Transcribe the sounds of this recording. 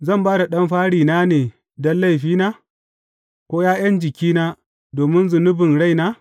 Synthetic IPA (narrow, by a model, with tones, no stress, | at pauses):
zɐ˦˨mbaː˦da˨ɗɐ˦mɸaː˦ɽiː˨naː˦neː˨ | dɐ˦lːa˦˨jɸiː˦naː˦ | kʷoː˦jaː˦j̰ɐ˦nd͡ʒɪ˨kʲiː˦naː˦ | doː˨mɪ˦nzʊ˨nʊ˦bɪ˨nɽa˦˨jnaː˦